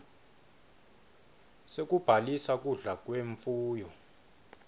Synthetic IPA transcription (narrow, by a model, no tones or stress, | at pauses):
sek̬ʼub̥ʱalisak̬uɮak̬ʼweɱfuːjɔ